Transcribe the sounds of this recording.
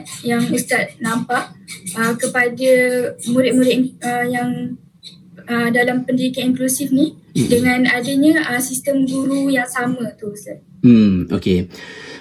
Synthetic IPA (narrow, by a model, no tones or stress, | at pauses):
t̪̚jaŋəst̪at̪̚nãmpaʔəkəpadəmũɾɪʔ̪̚muɾɪʔəjaŋ | ədalampəndidikaniŋklusifni | dəŋãnadəɲə̃əsist̪əmɡuɾujaŋsamə̃t̪uəst̪at̚ | m̩o̰ke